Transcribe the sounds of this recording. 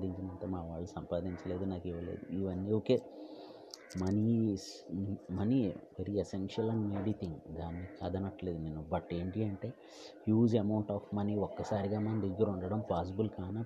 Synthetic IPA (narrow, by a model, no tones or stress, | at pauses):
d̪iɲt͡ʃinɐnt̪ɐmaːʋaːɭːusɐmpaːd̪iɲt͡ʃɐle̞ːd̪unaːkiʋɐlḛːd̪uiʋɐnːioːkeː | mɐnismɐniʋeɾiesenʂɐlɐ̃ɳɖmeːɽit̪ʰiŋɡd̪aːnːikaːd̪ɐnɐʈle̞ːd̪unenːubɐʈe̞ːɳʈiɐɳʈeː | juːd͡ʒɐmɐwɳʈaːfmɐniɔkːɐsaːɾiɡaːmɐnd̪eɡːɐɾuɳɖɐɽɐmpaːs̬ibulkaːnɐ